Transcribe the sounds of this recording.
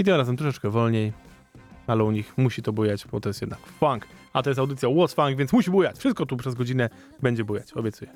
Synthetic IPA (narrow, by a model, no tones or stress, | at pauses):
it̪ɨmɾazɛmt̪ɾɔʂɛt͡ʂkɛvɔlɲej | alɛuɲixmuɕit̪ɔbujat͡ɕbɔt̪ɔjɛst̪jɛd̪nakfaŋk | at̪ɔjɛs̬t̪awd̪ɘt̪sʲjawɔtsfaŋɡvʲɛnt̪smuɕibujat͡ɕfʂɘst̪̚kɔt̪upʂɛzɡɔd͡ʑinɛ | bɛɲd͡ʑɛbujat͡ɕɔ̰bʲjɛt̪sujɛ